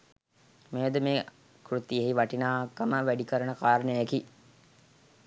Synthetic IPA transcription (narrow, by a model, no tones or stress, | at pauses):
meːəd̪əmeː | kɾut̪ːijəɦiʋaʈinaːkːəməʋæɖikəɾənəkaːɾənəjeki